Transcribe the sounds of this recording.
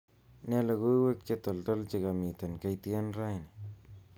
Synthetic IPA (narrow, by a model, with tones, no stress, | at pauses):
ne˦la˧ɡu˦we˦k̚t͡ʃe˦t̪o˨lt̪a˦lt͡ʃe˧ɡa˨mi˨t̪a˨nka˧jt̪e˦nɾa˦jni˨